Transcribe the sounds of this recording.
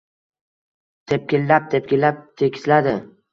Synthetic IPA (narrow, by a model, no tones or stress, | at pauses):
t̪ʰep̚kʲɪlːap̚t̪ʰep̚kʲɪlːap̚t̪ʰekʲʰɪ̥slad̪ɪ